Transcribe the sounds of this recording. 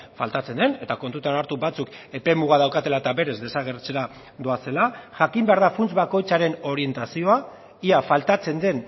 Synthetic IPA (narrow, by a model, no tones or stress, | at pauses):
fa̰lt̪at͡se̞nd̪e̞ne̞t̪akont̪ut̪anaɾt̪ubat͡suke̞pe̞muɣað̞awkat̪e̞laet̪aβe̞ɾe̞zd̪e̞saɣe̞ɾt͡se̞ɾa | d̪oase̞laʝakimbe̞aɾðafunt͡sβako̞jt͡saɾe̞no̞ɾie̞nt̪asio̞a | iafalt̪at͡se̞nd̪e̞n